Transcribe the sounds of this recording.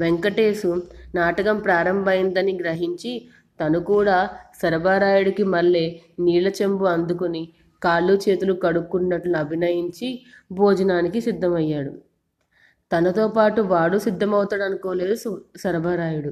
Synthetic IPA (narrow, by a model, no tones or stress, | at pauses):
ʋeŋkɐʈeːsunaːʈɐkɐmpɾaːɾɐmbʱɐjind̪ɐnːiɡɾɐɦiɲt͡ʃi | t̪ɐnukuːɽaːsɐɾɐbʱaːɾaːjuɽɐkimɐlːeːniːlɐt͡ʃembuɐnd̪ukuni | kaːlːut͡ʃe̞ːt̪ulukɐɽukːunːɐʈlunuɐbʱinɐjiɲt͡ʃi | bʱɔːd͡ʒɐnaːnikisid̪ʱːɐmɐjːaːɽu | t̪ɐnɐt̪oːpaːʈuʋaːɽusid̪ʱːɐmɐwut̪ɐɽɐnukoːle̞ːd̪usɐɾɐbʱaːɾaːjuɽu